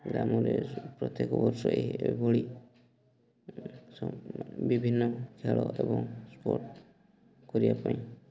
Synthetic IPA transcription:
ɡɾamɔɾepɾɔt̪jekɔbɔɾsɔʔebɔɭi | sbibʱinːɔkʰeɭɔʔebɔŋspoɾʈ | kɔɾibapaĩ

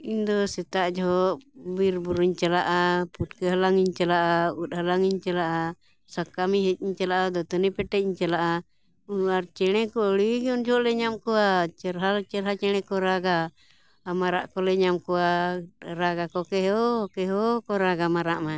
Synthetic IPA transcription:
iɲd̪ɔsɛt̪aʔd͡ʒɔɦɔʔbiɾbuɾuɲt͡ʃalaʔaputkɛɦalaŋiɲt͡ʃalaʔaut̪̚ˀhalaŋiɲt͡ʃalaʔa | sakːamiɦɛt̪̚iɲt͡ʃalaʔad̪ɔt̪ənipɛʈɛc̚iɲt͡ʃalaʔa | uaɾt͡ʃɛɽ̃ɛkɔɔɽiɡɛɔnd͡ʒɔɔʔlɛɲamkɔwat͡ʃɛɾɦat͡ʃɛɾɦat͡ʃɛɽ̃ɛ̃kɔɾaɡa | maɾa̰ʔkɔlɛɲamkɔwaɾaɡakɔkɛɦɔkɛɦɔkɔɾaɡamaɾaʔma

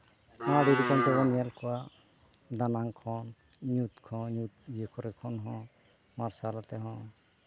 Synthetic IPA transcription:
ãɽiɾikɔnt̪ɛbɔnjalkɔwa | d̪anaŋkʰɔn | ɲut̪kʰɔ̃ɲut̪̚jekʰɔɾɛkʰɔnɦɔ̃ | maɾsalat̪ɛɦɔ̃

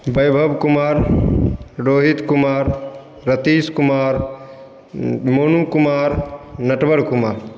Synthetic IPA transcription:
bəjbʱəbkumaːɾ | ɖoːɦit̪kumaːɾː | ət̪iːskumaːɾ | monukumaːɾnɐʈbəɽkumaːɾ

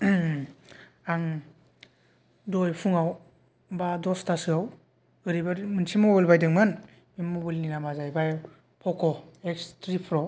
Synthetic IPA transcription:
aŋ | dojpʰuŋaw | badɔstʰasɯaw | ɯɾibaɾmɯnsimɔbilbajdɯŋmɯn | mimobilninamazajbaj | pʰɔkʰɔekstɾipʰɾɔ

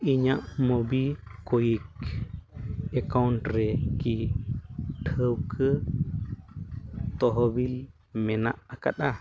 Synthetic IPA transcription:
iɲãʔmobikojik | ekawnʈɾeki | ʈʰəwkʰə | t̪oɦobil | menaʔaka̰ɗa

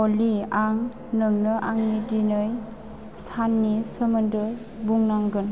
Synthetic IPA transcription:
ɔliaŋ | nɯŋnɯʔaŋnidinɯj | sanːisəməndɯ | buŋnaŋɡɯn

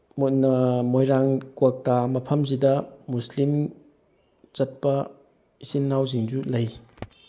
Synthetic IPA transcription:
munɐmojɾaŋkwak̚tamɐpʰɐmzidɐmuslim | t͡ʃɐt̚pɐ | isinːawziŋzulɐj

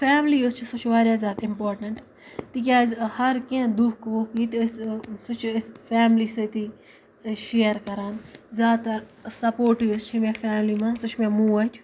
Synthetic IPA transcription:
fɛːmliːʊst͡ʃʰisʊt͡ʃʰʋaːɾjaːzjaːt̪ɪmpoːɾʈəɳʈ | t̪ikʲjaːhɐɾkẽd̪uːkʋokiːt̪ssʊt͡ʃʰsfɛːmliːset̪iː | ʃeːəɾkɐɾaːnzʲjaːt̪ɐɾ | sɐpoːɾʈiʊst͡ʃʰimẽːfɛːmliːmãːnsʊt͡ʃʰmẽːmũːɐt͡ʃʰ

